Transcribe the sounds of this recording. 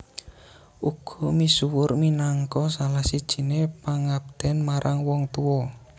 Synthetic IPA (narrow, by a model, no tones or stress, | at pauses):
ʔuɡ̥ɔ̤misuwʊrminaŋkɔsalahsid̥ʒ̥i̤nepaŋab̚d̪̥ɛ̤nmaɾʔaŋwɔŋt̪uwɔ